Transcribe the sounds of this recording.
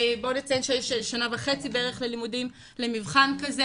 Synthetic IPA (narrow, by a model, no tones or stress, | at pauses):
bonet͡saenʃejʃʃanavaχe̞t͡sibeeeχle̞limudim | le̞mivχankaze